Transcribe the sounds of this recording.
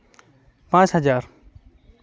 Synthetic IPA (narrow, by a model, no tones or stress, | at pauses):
pãːt͡ʃɦɐzaːɾ